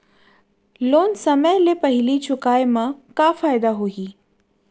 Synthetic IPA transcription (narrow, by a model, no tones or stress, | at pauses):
loːnsɐməjlepɐɦɪlit͡ʃʰʊkaːjmãkafaːjd̪aɦoːɦiː